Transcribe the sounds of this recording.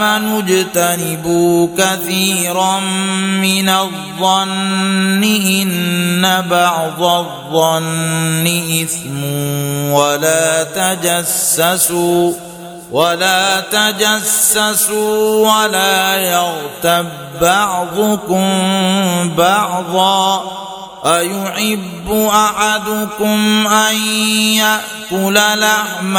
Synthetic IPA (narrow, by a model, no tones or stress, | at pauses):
anʊd͡ʒt̪anɪbukaθiːɾamɪnaðˤːɑnːɪʔɪnːabɑʕðˤɑðˤːɑnːɪʔɪθmuwalaːt̪ad͡ʒasːasuː | walaːt̪ad͡ʒasːasuːwalaːjɑɣt̪abːɑʕðˤʊkʊm | bɑʕðˤɑː | ʔajʊħɪbːʊʔaħad̪ʊkʊmʔanjaʔkʊlalahm